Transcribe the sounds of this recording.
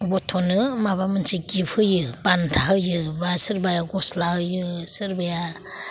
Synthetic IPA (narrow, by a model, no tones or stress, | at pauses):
bɔtʰɔnɯmabamɯnsiɡipʰhɯjɯbantʰaɦɯjɯbasɯɾbajaɡɔslahɯjɯsɯɾbaja